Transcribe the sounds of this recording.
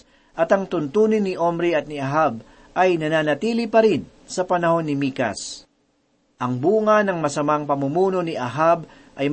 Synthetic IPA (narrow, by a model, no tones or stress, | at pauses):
ʔɐt̪ɐŋt̪ʊnt̪uːnɪnːɪʔomɾiɐt̪̚nɪaɦab̚ | ʔɐjnɐnaːnɐt̪iːlipɐɾɪn | sɐpɐnɐho̞nːɪmiːka̰s | ʔɐŋbuːŋɐnɐŋmɐsɐmaŋpɐmumuːno̞niʔɐɦab | ʔɐj